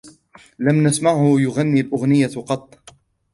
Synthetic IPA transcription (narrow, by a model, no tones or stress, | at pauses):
lamnasmaʕhʊjʊɣanːiːlʔʊɣnɪjːaqɑt̪ˤː